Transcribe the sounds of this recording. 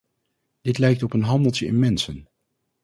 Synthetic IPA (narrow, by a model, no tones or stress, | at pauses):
d̥ɪtlɛjk̚tɔpənɦɑndəlˠtəɪ̰mɛnsən